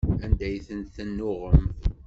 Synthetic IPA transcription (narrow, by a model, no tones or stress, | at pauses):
ænd̪æjθənθənːʊʁəmθ